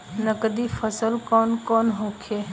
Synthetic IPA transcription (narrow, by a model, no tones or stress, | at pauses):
nəkəd̪ifʰəsəlkɔːnkɔːnɦoːkʰe